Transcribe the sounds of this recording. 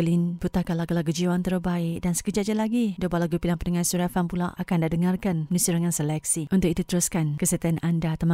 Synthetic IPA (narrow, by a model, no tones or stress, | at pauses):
əlinbut̪akalakalaɡəd͡ʒiwant̪ərbaɪk̚dansə̥kəd͡ʒat̪̚d͡ʒalaɡidobalaɡupilaŋpənəŋasuɾafanpula̰ʔakandadəŋarkanmənũsiɾəŋãnsəlɛk̚siunt̪ʊk̚it̪ut̪əɾuskankəsət̪ianandat̪əma